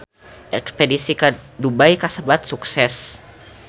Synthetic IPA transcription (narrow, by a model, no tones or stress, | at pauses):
ʔɛkspedisikadubajkasəbat̪̚suksɛs